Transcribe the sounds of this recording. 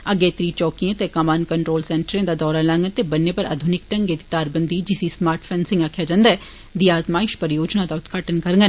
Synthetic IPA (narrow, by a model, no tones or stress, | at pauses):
əɡeːt̪ɾiːt͡ʃɔːkijãːt̪ekamaːnkəɳʈɾoːlsɛ̃ːɳʈəɾẽːd̪aːd̪ɔːɾalãŋɡət̪ebənːepəɾa̰ːd̪ʱʊnɪk̚ʈə̃ŋɡeːd̪it̪aːɾbənd̪id͡ʒɪsismaːɾʈʰpʰɛːnsɪ̃ŋɡaːkʰːjaːd͡ʒãːnd̪aɛ | d̪iaːt̪maːɪʃpəɾjoːd͡ʒnad̪aːʊt̪ɡʰaːʈənkəɾŋɡə